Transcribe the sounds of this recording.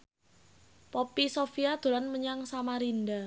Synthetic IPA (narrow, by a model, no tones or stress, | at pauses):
popisofiad̪̥o̤lanməɲaŋsamaɾinda